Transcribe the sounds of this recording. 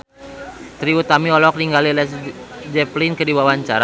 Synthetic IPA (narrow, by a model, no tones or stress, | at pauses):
t̪ɾiut̪amiɔlɔk̚niŋɡalilɛsd͡ʒɛplinkədiwawaɲt͡ʃaɾa